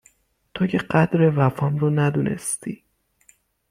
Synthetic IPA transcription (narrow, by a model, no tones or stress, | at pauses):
t̪ʰoceɢæd̪ɾevæfɒːmronæd̪unʔḛst̪ḭː